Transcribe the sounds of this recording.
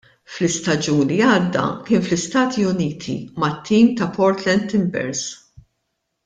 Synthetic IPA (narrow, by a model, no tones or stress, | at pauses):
flɪst̪ɐd͡ʒuːnliɐːd̪ːɐ̰kɪːnflɪst̪ɐːt̪ʰiʊniːt̪ʰḭmɐt̪ʰːiːmt̪ɐpɔɾt̪lɛnt̪ːɪmbɛ̰ɾs